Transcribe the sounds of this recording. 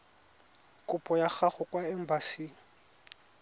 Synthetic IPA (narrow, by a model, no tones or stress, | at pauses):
kʼʊpʼɔjaχaχʊkwaɛm̩basiːŋ̩